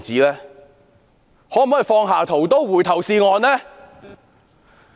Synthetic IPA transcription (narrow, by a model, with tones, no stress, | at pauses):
t͡siː˨˥lɛː˥ | hɔː˨˥mː˨˥˨fɔː˧ŋɦaː˨˩t̪ʰo˨˩wt̪o˥wwuː˨˩jt̪ʰɐ˨˩wsiː˧ŋɔː˨˧nlɛː˥